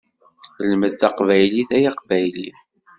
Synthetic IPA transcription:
lməðθɑqvæjliθæjɑqvæjli

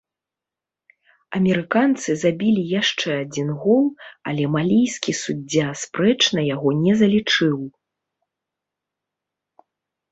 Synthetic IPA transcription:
ɐmʲɛɾɨkant̪sɨzabʲilʲijaʂt͡ʂɛad͡zʲinɣɔlˠɐ̰lʲɛmalʲijskʲisud͡zʲːaspɾɛt͡ʂnɐjaɣɔnʲɛzɐlʲit͡ʂɨw

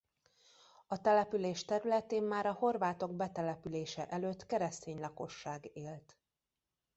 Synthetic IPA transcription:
ɒt̪ɛlɛpyleːʃt̪ɛɾylɛt̪eːmmaːɾɒho̞rvaːt̪o̞ɡbɛt̪ɛlɛpyleːʃɛʔɛløːt̪kɛɾɛst̪eːɲlɒko̞ʃːaːɡeːlt̪

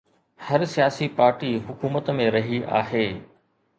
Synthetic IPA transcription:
hɐɾsijaːsipaːɾʈiɦʊkuːmət̪mẽɾɐɦiʔa̰ːɦeː

